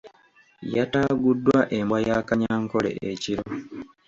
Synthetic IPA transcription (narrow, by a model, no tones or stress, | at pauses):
jataɡudːwaʔe̞mbwajaːkaɲaːŋko̞lḛʔeciɾo